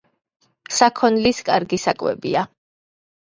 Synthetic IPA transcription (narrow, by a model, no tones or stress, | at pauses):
sakʰɔnliskʼaɾɡisakʼwɛ̰bia